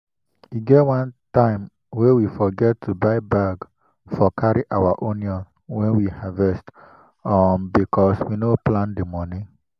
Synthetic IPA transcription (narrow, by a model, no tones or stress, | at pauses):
iɡɛtwãntãɪ̃m | wɛ̃wifɔɡɛtʰːubaɪbaɡ | fɔkʰaɹiʔawaʔoniɔ̃n | wɛ̃nwihavɛst | ɔnbikʰɔswinoplãndimɔni